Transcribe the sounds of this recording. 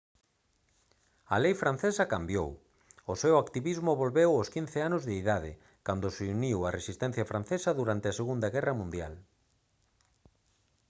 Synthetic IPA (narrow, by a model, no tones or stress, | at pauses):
ɐlejfɾan̟θesɐkambjow | ʊsɛwakt̪iβizmʊβolβewoskin̟θeanozðeiðaðɪ̰ | kand̪ʊseuniwɐresist̪ɛn̟θjɐfɾan̟θesɐðuɾant̪ɪaseɣund̪ɐɣɛrɐmũnd̪ja̰l